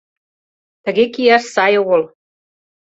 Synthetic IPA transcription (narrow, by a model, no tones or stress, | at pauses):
t̪ə̆ɣekijæʃsɑjoɣŏl